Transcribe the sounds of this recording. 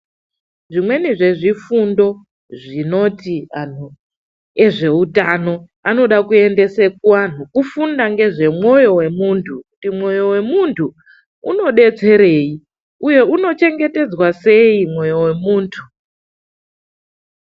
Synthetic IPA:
ʐimwe̞niʐe̞ʐifundo̞ | ʐino̞tian̤u | e̞ʐe̞utano̞ | ano̞ɗakue̞nde̞se̞k̚wan̤ukufundaŋɡe̞ʐe̞mwo̞jo̞we̞muːntʰukutimwo̞jo̞we̞muntʰu | ṵno̞ɗe̞t͡se̞ɾe̞ːi | uje̞uno̞t͡ʃe̞ŋɡe̞te̞d͡zwase̞imwo̞jo̞we̞muːntʰu

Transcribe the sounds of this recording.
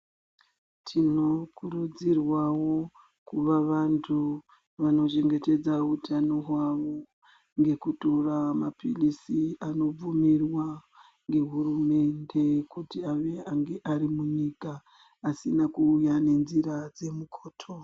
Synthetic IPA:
tʰino̞kurud͡zirwawo̞ | kuʋaʋantʰu | ʋano̞t͡ʃe̞ŋɡe̞te̞d͡zautʰano̞ɦwaʋo̞ | ŋɡe̞kuturamapilisiano̞b͡vumirwa | ŋɡe̞ɦurume̞nde̞kutiaʋeaŋɡe̞ʔaɾimuɲiːkaː | sinakuːjane̞nziɾad͡ze̞mukʰoːtʰo

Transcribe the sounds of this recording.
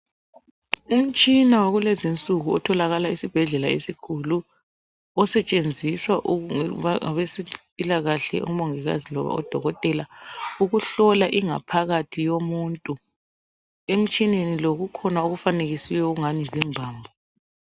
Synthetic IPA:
um̩t͡ʃʼinawaɣulezint͡sʼuɣuɔtʰɔlaɣalaisib̥ʱɛɮɛlaesikʰulu | ɔsɛt͡ʃʼend͡zʱiswaʔ | βesipʼilaɣaɬɛ̰ʔṵmoŋiɣa̰zilɔ̰βa̰ɔ̰d̥ʱɔɣɔtʼɛlauɣuɬɔlaʔiŋa̰pʰaɣatʰijomuntʼu | em̩t͡ʃʼineniloɣukʰɔnauɣufaneɣisiwɛuɣuŋanizimbʱaːmbʱɔ

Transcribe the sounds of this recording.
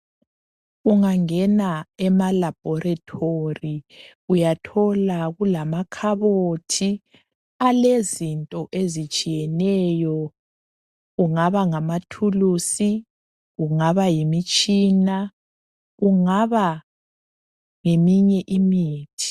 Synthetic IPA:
uŋaŋɛnaɛmalab̥ʱɔratʰori | ujatʰɔlaɣulamakʰaβotʰi | alezintʼɔʔezit͡ʃʼijɛnɛjɔ | ɣuŋaβaŋamatʰulusi | ɣuŋaβajimit͡ʃʼiːna | ɣuŋaβa | ŋemiɲɛʔimiːtʰi̥

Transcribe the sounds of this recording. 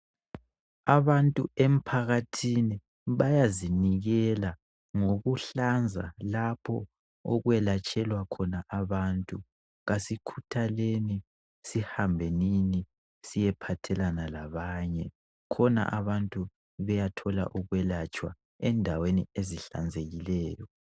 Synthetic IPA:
aβantʼuem̩pʰaɣatʰini | βajaziniɣɛla | ŋoɣuɬand͡zʱa̰lapʰɔ | ɔɣwɛlat͡ʃʼɛlwakʰɔnaʔaβaːntʼu | ɣasikʰutʰaleni | sihambʱenini | sijɛpʰatʰɛlanalaβaːɲɛ | kʰɔna̰ʔaβantʼu | βɛjatʰɔla̰ʔuɣwɛlat͡ʃʼwa̰ | ɛndʱawenieziɬa̰nd͡zʱeɣilɛːjɔ

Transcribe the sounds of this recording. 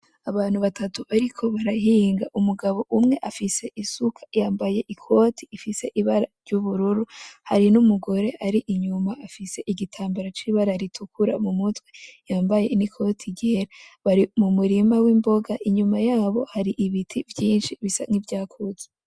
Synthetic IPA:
aβaːn̥huβatatuaɾikʰo̞βaɾaɦiːŋɡaʔumuɡaβo̞ʔumŋe̞ʔafise̞ʔisukʰḁjaːmbaje̞ʔikʰo̞ːtʰiːfise̞ʔiβaɾaɾɟuβuɾuɾuhaɾinumuɡo̞ɾe̞ʔaɾiʔiɲumaafise̞ʔiɡitʰaːmbeɾat͡ʃiːβaɾaɾitʰukuɾa̰mumutwe̞jaːmbaje̞̰nikʰo̞ːtʰiɟeeɾaβaɾimumuɾimawiːmbo̞ɡaʔiɲumajaːβo̞haɾiʔiβitʰivjiːnʃiβisa̰ŋ̥ivjaːkʰuze

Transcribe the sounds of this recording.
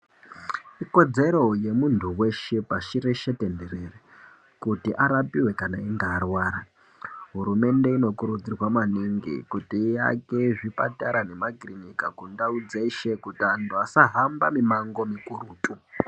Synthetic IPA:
iko̞d͡ze̞ɾo̞je̞muntʰuwe̞ʃe̞paʃiɾe̞ʃe̞tenderere | kutiʔaɾapiwe̞kanaiŋɡaːrwaːɾa | ɦuɾume̞nde̞ino̞kuɾud͡zirwamaniŋɡḭkutiːja̰ke̞ʐipa̰taɾane̞makrinikakundaud͡zeiʃe̞kutiantʰuasaɦambamimaŋɡo̞mikuɾuːtʼu

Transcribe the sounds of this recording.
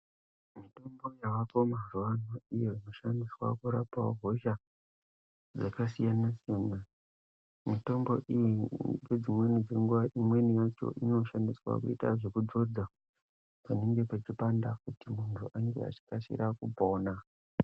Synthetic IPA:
mito̞mbo̞jaʋako̞maruʋanoijoino̞ʃandiswa̰kuɾapaoɦo̞ʃa | d͡zakasijanasijana | mito̞mbo̞̰ʔijiɡed͡zimwe̞nid͡ze̞ŋɡuʋaʔimwe̞nijat͡ʃo̞̰ʔino̞ʃandiswa̰kuita̰ʐe̞kud͡zo̞d͡za | paneŋɡe̞pat͡ʃipandak̚utimuntʰuʔaŋɡḛa̰t͡ʃi̥kasḭɾʔakupoːna

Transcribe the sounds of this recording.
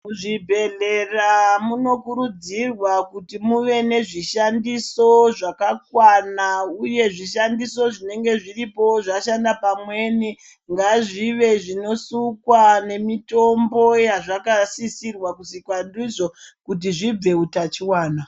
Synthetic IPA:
muʐibʱe̞ɮe̞ramuno̞kuɾud͡zirwakutimuʋe̞ne̞ʐiʃandiso̞ʐakakwanauje̞ʐiʃandiso̞ʐine̞ŋɡe̞ʐiripo̞ʐaʃandapamwe̞ːni | ŋɡaʐiʋe̞ʐino̞sukwane̞mito̞mbo̞jaʐakasisirwakusikwandiʐo̞kut̬iʐib͡ve̞utat͡ʃiwaːna

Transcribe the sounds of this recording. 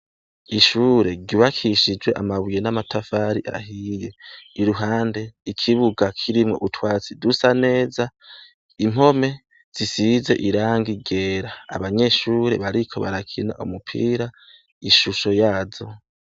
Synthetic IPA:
iʃuːɾe̞ɾɟuβakʰiʃid͡ʒwe̞ʔa̰maβujenamatʰafaːɾiʔa̰ɦije̞iɾuɦaːnde̞ikʰiβuɡakʰiɾimŋo̞̰ʔutʰwaːt͡sidusane̞ːza | im̥ho̞me̞ | z̥isize̞̰ʔiɾaːŋɡiɟe̞ːɾa̰ːβaɲe̞ʃuːɾe̞̰βaɾikʰo̞βa̰ɾakʰina̰ʔumupʰḭːɾa | iʃuʃo̞jaːzo̞

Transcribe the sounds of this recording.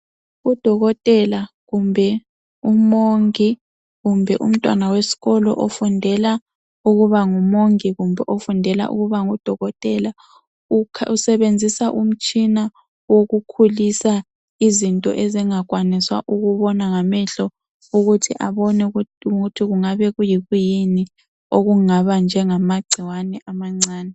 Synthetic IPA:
ud̥ʱɔɣɔtʼɛla | ɣumbʱɛ | umoŋi | ɣumbʱɛʔṵm̩tʼwa̰nawesi̥ɣɔlɔ̰ʔofundʱɛla | uɣuβaŋumoŋiɣumbʱɛʔofundʱɛla̰ʔṵɣuβaŋud̥ʱɔɣɔtʼɛla | usɛβend͡zʱisaʔum̩t͡ʃʼina | woɣukʰulisa | izintʼɔ̰ʔeziŋaɣwaniswa̰ʔuɣuβɔnaŋamɛɬɔ | uɣutʰiʔaβɔnɛutʰiɣuŋaβɛɣujiɣujini | oɣuŋaβand͡ʒʱɛŋamaɡ͡ǀʱiwanɛʔamaŋ͡ǀaːnɛ

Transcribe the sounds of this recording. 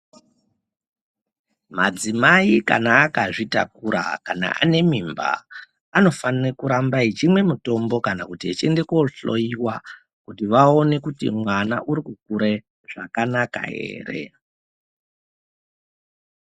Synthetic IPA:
mad͡zimaika̰naːkaʐita̰kuɾa̰kana̰ʔa̰ne̞mimba̰ː | no̞fanirekuɾambait͡ʃimwe̞muto̞mbo̞kanakutiet͡ʃe̞nde̞koɬo̞̰iwa | kutiʋao̞ne̞kutḭmwanaʔuɾikuk̚uɾe̞ | ʐ̥akanaka̰ɦe̞̰ːre̞̰

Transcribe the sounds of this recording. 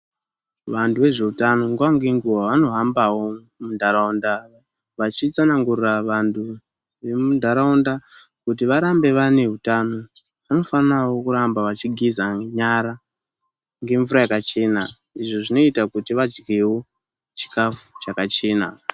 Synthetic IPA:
ʋantʰuʋe̞ʐe̞utano̞ŋɡuʋaŋɡeŋɡuwaʋano̞ɦambawo̞ | mundʱaɾaonda | ʋat͡ʃit͡sanaŋɡurraʋantʰu | ʋe̞mundʱaɾaunda | kut̬iʋaɾambe̞ʋane̞ɦutano̞ | ʋano̞fanawo̞kuɾambaʋat͡ʃiɡʱizaɲaɾa | ŋɡe̞ɱvuɾajakat͡ʃe̞ːna | iʐoʐino̞itakutiʋad͡ʒɡewo̞ | t͡ʃi̥kafu̥t͡ʃakat͡ʃe̞ːna̰

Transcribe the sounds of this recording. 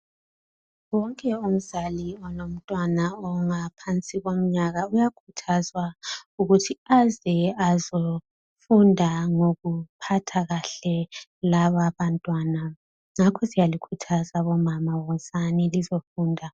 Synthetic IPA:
wɔŋkʼɛum̩zaliɔnom̩tʼwanaɔŋapʰant͡sʼiɣom̩ɲaɣaujakʰutʰazwauɣutʰiazɛazo | fundʱaŋoɣupʰatʰaɣaɬɛlaβaβantʼwaːna | ŋakʰɔsijalikʰutʰazaβɔmamawɔzanilizofuːndʱa

